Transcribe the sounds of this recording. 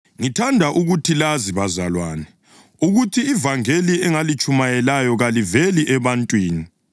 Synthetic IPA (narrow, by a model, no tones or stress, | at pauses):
ŋitʰandʱaʔuɣutʰilaziβazalwaːnɛ | uɣutʰiːvaŋeliɛŋalit͡ʃʼumajɛlajɔɣaliveliʔɛβantʼwiːni